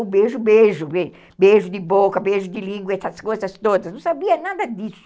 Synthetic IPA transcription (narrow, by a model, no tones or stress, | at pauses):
ʊbeʒʊbeʒʊbe | beʒʊd̪ɪbokɐbeʒʊd̪ɪlĩŋɡwɛsɐskojzɐst̪od̪ɐsnɐ̃w̃sabiɐnad̪ɐd̪isʊ̥